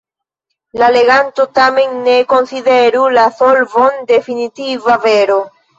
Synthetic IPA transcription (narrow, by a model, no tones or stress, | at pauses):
lale̞ɡanto̞tame̞nːe̞ko̞nside̞ɾulasolvo̞nde̞finitivave̞ɾo